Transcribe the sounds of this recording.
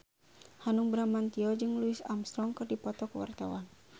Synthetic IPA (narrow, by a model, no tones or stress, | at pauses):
hanuŋbɾamant̪iɔd͡ʒɨŋluisa̰mst̪ɾɔŋkɨrdipɔt̪ɔkəwa̰rt̪awan